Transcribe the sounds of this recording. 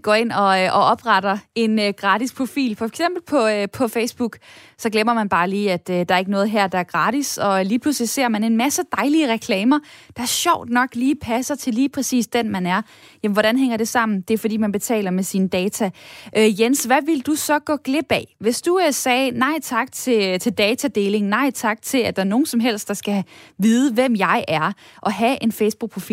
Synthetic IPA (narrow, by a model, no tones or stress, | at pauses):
ɡ̥ɒ̰ːe̝n̰ɒ̽ʔɒ̽ɒ̽b̥ʁɑɾ̥ɐe̝nøɡ̥ʁɑ̈ːd̥ispʰʁo̝fḭːlfɒ̽eɡ̥sem̰b̥l̩pʰɒ̽pʰɒ̽fesb̥uɡ̥sɒ̽ɡ̥lemɐmænb̥ɑ̈ːliːæd̥ød̥ɑ̈ɐeɡ̥ənɔːð̞̩ˠɦæɐ̰d̥ɑ̈æɐɡ̥ʁɑ̈ːd̥isɒ̽liːpʰluslise̝ɐ̰mæne̝nmæsəd̥ɑ̈ɪliəʁɛkʰlɛːmɐd̥ɑ̈æɐɕɒʊ̰d̥nɒ̽ɡ̥liːpʰæsɐt͡sʰe̝liːpʰʁɛsḭːsd̥enmænæɐ | jæmn̩ʋɒ̽ɾænɦeŋ̰ɐɾ̥e̝sɑ̈m̰n̩d̥e̝æɐfɒdḭːmænb̥e̝t͡sʰɛ̰ːlɐmesinəd̥ɛːt͡sʰæʔøjensʋæʋe̝ld̥usɒ̽ɡ̥ɔ̽ːɡ̥le̝b̥ɛʋe̝sd̥usɛːnɑ̈ɪ̰t͡sʰɑ̈ɡ̥t͡sʰe̝t͡sʰe̝ld̥ɛːt͡sʰæd̥e̝ːle̝ŋ̩nɑ̈ɪ̰t͡sʰɑ̈ɡ̥̚t͡sʰe̝læd̥ɑ̈æɐno̝ːn̩sɒ̽mɦel̰sd̥ɑ̈sɡ̥æʋið̞ˠəʋem̰jɑ̈ɪʔæɐʔɒ̽ɦæʔe̝nfeɪsb̥uɡ̚pʰʁofḭː